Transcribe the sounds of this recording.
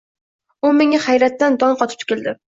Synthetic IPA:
ʊmeŋaχajɾat̪ːand̪ɒnqʰɒt̪ʰɪ̥p̚t̪ʊ̥kʲɪld̪ɪ

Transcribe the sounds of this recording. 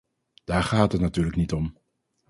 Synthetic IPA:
d̥aːɹχaːtɦətnatyːɹləknitɔm

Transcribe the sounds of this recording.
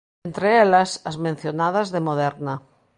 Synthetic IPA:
nt̪ɾeelɐsɐzmẽn̟θjonaðɐzðemoðɛɾnɐ

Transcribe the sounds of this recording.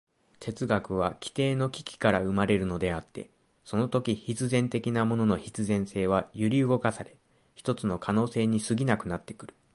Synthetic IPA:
t̪e̞t͡sɨɡakɯ̟β̞akʲʰi̥t̪e̞ːno̞kʲi̥kʲi̥kaɾaɯ̟maɾe̞ɾɯ̟no̞d̪e̞at̪ːe̞̰ | so̞no̞t̪o̞kʲiçit͡sɨzẽ̞nt̪e̞kʲinamo̞no̞no̞çit͡sɨzẽ̞ɰ̃se̞ːβ̞ajɯɾʲiɯ̟ɡo̞kasaɾe̞ | çi̥t̪o̞t͡sɨno̞kʰano̞ːse̞ːɲ̟isɨɡʲinakɯ̟nat̪ːe̞̥kɯ̟ɾɯ̟̥

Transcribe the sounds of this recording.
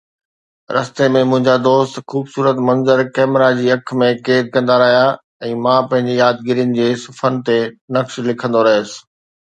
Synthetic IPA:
ɾɐst̪emẽmʊ̃ɦɪ̃ɲd͡ʑad̪oːst̪xuːbsuːɾət̪mɐ̃nzəɾkɛːmɾad͡ʑiːɐkʰmẽkeːd̪̚kɐ̃nd̪aɾɐɦija | ɛ̃ːmãpɐ̃ɦɪ̃ɲd͡ʑejaːd̪ɡɪɾijənɪ̆d͡ʑeːsʊfənt̪enɐkʃlɪkʰə̃nd̪oɾɐɦsɪ̥̆

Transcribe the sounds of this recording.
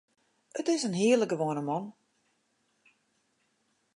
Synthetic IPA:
ətɪsənɦiərləkɡəʋoːnəmɔn

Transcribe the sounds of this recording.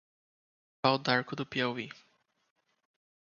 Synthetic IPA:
awd̪aɾkʊd̪ʊpiɛwi

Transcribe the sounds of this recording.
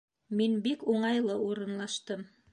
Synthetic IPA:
minbikuɴɑjlˠɤuɾɤ̆nlˠɑʃt̪ɤm

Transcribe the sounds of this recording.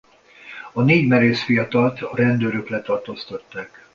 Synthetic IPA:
ɒneːɟmɛɾeːsfijɒt̪ɒlt̪ɒɾɛnd̪øːɾøklɛt̪ɒrt̪oːst̪ɒt̪ːaːk

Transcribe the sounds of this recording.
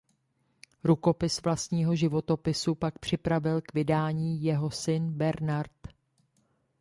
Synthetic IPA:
ɾuko̞pɪsvlast̪ɲiːɦo̞ʒɪvo̞t̪o̞pɪsupak̚pr̝̥ɪpɾavɪlkvɪdaːɲiːjɛɦo̞sɪnbɛɾnaɾt̪

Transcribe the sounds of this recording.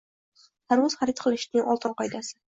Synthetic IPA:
d̪̥aɾmʊz̥χaɾɪt̪̚qʰɨlˠɪʃnɪŋʔɒlˠt̪ʰɪnqɒjd̪asɪ

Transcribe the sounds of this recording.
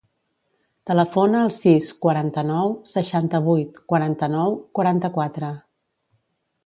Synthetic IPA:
t̪ələfonəːlˠsiskwəɾant̪ənɔwsəʃant̪əβ̞ujt̪kwəɾant̪ənɔwkwaɾant̪əkwat̪ɾə

